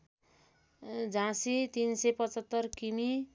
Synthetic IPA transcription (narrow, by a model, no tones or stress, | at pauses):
d͡zãsit̪insejpʌt͡sʌt̪ːʌrkimi